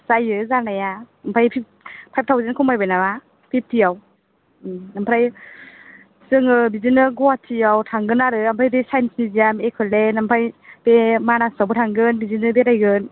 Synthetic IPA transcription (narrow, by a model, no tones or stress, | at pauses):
sajɯzanaja | ampʰajpʰip̚ | pʰajp̚tʰawzenkʰɔmajbajnaba | pʰip̚tʰijaw | ampʰɾaj | sɯŋɯbizinɯɡɔwatʰijawtʰaŋɡɯnaɾɯampʰɾajdɯsajnsnizijamekʰɯlenampʰajpemanasawbɯtʰaŋɡɯnbizinɯbeɾajɡɯn